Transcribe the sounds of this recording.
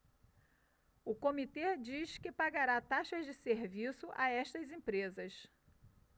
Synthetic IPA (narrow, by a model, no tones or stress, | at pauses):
ʊkomit̪ed͡ʒiʃkɪpaɡaɾat̪aʃɐzd͡ʒɪseɾvisʊʔa̰ɛʃt̪ɐzẽpɾezɐs